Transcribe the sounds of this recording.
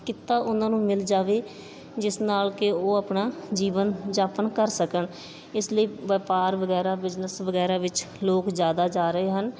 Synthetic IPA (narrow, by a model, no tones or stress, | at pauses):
kɪt̪ːaːʔʊnãːnũːmɪld͡ʒaːʋeː | d͡ʒɪsnaːlkɪoːəpnaːd͡ʒiːʋənd͡ʒaːpənkəɾsəkən | ɪsləiːʋəpaːɾʋəɡɛːɾaːʋɪd͡ʒnəsʋəɡɛːɾaːʋɪt͡ʃ | loːkd͡ʒjaːd̪aːd͡ʒaːɾəɦeːɦən